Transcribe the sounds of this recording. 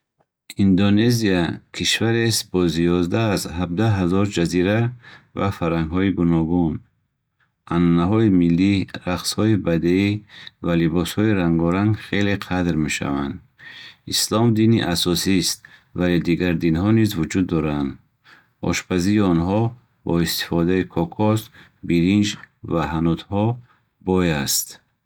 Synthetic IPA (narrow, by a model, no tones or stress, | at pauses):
ind̪one̞ziakʰiʃvaɾest̪̚bɔzijɔzd̪aːzhab̚d̪aɦazɔɾd͡ʒaziɾavafaɾaŋɡɦɔiɡunɔɡun | ʔananaɦɔimilːiɾaqshɔibad̪eivalibɔshɔiɾaŋɡɔɾaŋɡχe̞leqʰad̪ɾme̞ʃa̰va̰nd̪ | islɔmd̪inḭʔasɔsist̪̚valed̪iɡaɾd̪inɦɔnizvud͡ʒud̪ːɔɾand̪ | ɔ̰ʃpʰaziːɔnɦɔ | bɔist̪i̥fɔd̪aikʰɔkʰɔs | biɾind͡ʒvaɦanut̪hɔ | bɔjast̪